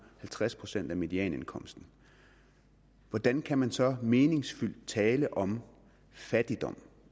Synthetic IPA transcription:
hælt͡sʰʁaspʰʁo̝sen̰d̥æmed̥iɛ̰ːne̝nkʰɒ̽m̰sd̥n̩ | ʋɒd̥ænkʰæmænsɒ̽me̝ːne̝ŋsfyl̰d̥̚t͡sʰɛːləʔɒ̽m | fæd̥id̥ɒ̽m̰

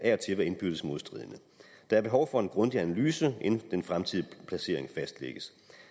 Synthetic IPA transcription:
æɐt͡sʰe̝ʋæe̝nb̥yð̥ˠəsmo̝ðˠsd̥ʁḭðˠənə | d̥ɑ̈æɐb̥e̝ɦɒʊfɒ̽e̝nɡ̥ʁɔ̽nd̥iænælyːsəʔend̥enfʁamt͡sʰiðˠpʰlæse̝ɐ̰e̝ŋfæsd̥lḛɡ̥əs

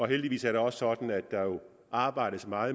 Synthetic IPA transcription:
ɒ̽ɦeld̥iʋḭːsæɐɾeɒ̽ssɒ̽d̥n̩æd̥ːɑ̈jo̝ | ɑ̈ːb̥ɑ̈ɪ̰ɾ̥əsmɑ̈ːð̩ˠ

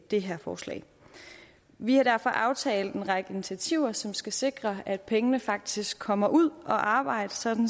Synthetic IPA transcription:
d̥e̝ɦæɐfɒːslɛ̰ːɪ | ʋihɑ̈d̥æɐ̰fɒ̽ʔɑ̈ʊt͡sʰɛ̰ːld̥ˠenʁɑ̈ɡ̥əinit͡sʰiæt͡sʰiʊ̰ɐsɒ̽msɡ̥æse̝ɡ̥ʁɐæd̥̚pʰeŋənəfɑ̈ɡ̥̚d̥isɡ̥kʰːɒ̽m̰ɐʔuð̞̰ˠʔɒ̽ʔɑ̈ːb̥ɑ̈ɪ̰d̥əsɒ̽d̥n̩

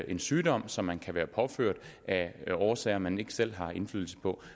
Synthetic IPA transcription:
ʔe̝nsyːd̥ɒ̽m̰sɒ̽mːænkʰæʋæːɐpʰɒ̽føɐ̰d̥ʔæɒːsɛ̰ːɪɐmæne̝ɡ̥ə̥sel̰ɦɑ̈e̝nflyðl̩sə̥pʰɒ̽

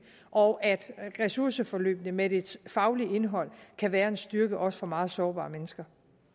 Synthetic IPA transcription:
ʔɒʔæd̥ʁɛsuɐsəfɒ̽lø̰ːb̥nəmed̥e̝d̥fɑ̈ʊlie̝nɦɒ̽l̰kʰæʋæːɐe̝nsd̥yɐɡ̥əʔɒ̽sə̥fɒ̽mɑ̈ːð̩ˠsɒːb̥ɑ̰̈ːmenəsɡ̥ɐ

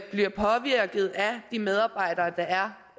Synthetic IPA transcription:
b̥liɐpʰɒ̽ʋiɐ̰ɡ̥ð̞̩ˠæd̥imeð̞ˠɑ̈ːb̥ɑ̈ɪ̰d̥ɐːd̥ɑ̈æɐ

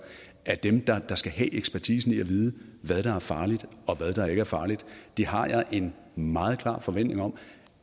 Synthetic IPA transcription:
æɐd̥emd̥ɑ̈d̥ɑ̈sɡ̥æɦɛ̰ʔeɡ̥spʰæɐt͡sʰḭːsn̩iæʋiːð̞ˠəʋæð̞ˠd̥ɑ̈æɐfɑ̈ːlid̥ɒ̽ʋæð̞ˠd̥ɑ̈e̝ɡ̥əæɐfɑ̈ːlid̥d̥iɦɑ̈jɑ̈ɪʔe̝n | mɑ̈ːð̞̩ˠkʰl̥ɑ̰̈ːfɒ̽ʋen̰d̥ne̝ŋɒ̽m

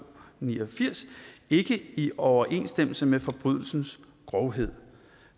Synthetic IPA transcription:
niːɐfiɐ̰se̝ɡ̥əiʔɒʊɐʔe̝̰nsd̥em̰l̩səmefɒ̽b̥ʁyðˠl̩sn̩s | ɡ̥ʁɒʊɦe̝ð̞̰ˠ

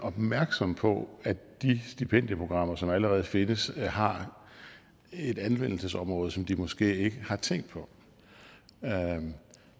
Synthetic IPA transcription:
ʔɒ̽b̥mæɐɡ̥sɒ̽mpʰɒ̽æd̥isd̥ipʰen̰d̥jəpʰʁo̝ɡ̥ʁɑ̈m̰ɐsɒ̽mæləʁɛːð̞ˠfe̝nəshɑ̈ | e̝d̥ænʋen̰l̩səsɒ̽mʁɔ̽ːð̞̩ˠsɒ̽md̥imɒ̽sɡ̥e̝̰ːe̝ɡ̥əhɑ̈t͡sʰeŋ̰d̥̚pʰɒ̽

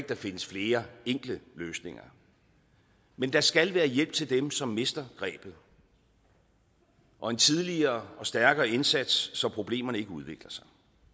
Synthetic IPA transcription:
ɡ̥̚d̥ɑ̈fe̝nəsfle̝ːɐeŋ̰ɡ̥ləløːsne̝ŋɐ | mend̥ɑ̈sɡ̥ælʋæːɐjel̰b̥̚t͡sʰe̝ld̥emsɒ̽mːe̝sd̥ɐɡ̥ʁɛ̰ːb̥ð̩ˠ | ʔɒ̽e̝nt͡sʰið̞ˠliɐːɒ̽sd̥æɐɡ̥ɐːe̝nsæd̥sːɒ̽pʰʁo̝b̥le̝̰ːmɐnəe̝ɡəuðˠʋeɡ̥lɐsɑ̈ɪ

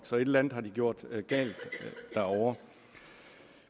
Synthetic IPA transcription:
ɡ̥sɒ̽e̝d̥lænð̩ˠɦɑ̈d̥iɡ̥jo̝ɐ̰d̥ɡ̥ɛ̰ːld̥ːæɐɒʊɐ

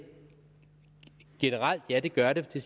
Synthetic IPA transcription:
ɡ̥e̝nəʁɑl̰d̥jæd̥e̝ɡ̥ɶɐɾe̝t͡sʰe̝s

